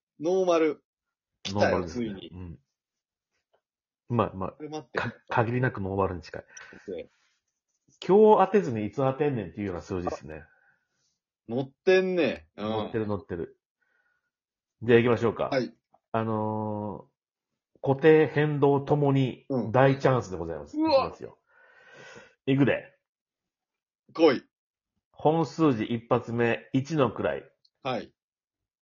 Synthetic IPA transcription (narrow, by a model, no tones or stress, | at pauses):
noːmaɾɯ̟ | noːmaɾɯd̪esiɯ̟̃ɴ | ma̰ma̰kʰakʰaɡʲiɾʲinakɯ̟no̞ːmaɾɯ̟ɲ̟it͡ɕi̥ka̰i | kʲʰo̞ːat̪e̞zɨnait͡sɨat̪ẽ̞nːẽ̞nt̪ːeiɯ̟jo̞ːnasɨːd͡ʑid̪esɨonḛ | not̪ːẽnːẽnot̪ːe̞ɾɯ̟no̞t̪ːe̞ɾɯ̟ | d͡ʑeaikʲimaɕo̞ːka̰ai | ano̞ | ko̞t̪e̞ːhẽ̞nd̪o̞ːt̪o̞mo̞ɲ̟id̪ait͡ɕãɰ̃sɨd̪e̞ɡo̞zaimasɨ̥imasɨjo̰ | ik̬ɯ̟d̪e̞̰ | koi | hõ̞ɰ̃sɨːʑiʔipːat͡sɨme̞it͡ɕino̞kɯ̟ɾa̰ḭ | hai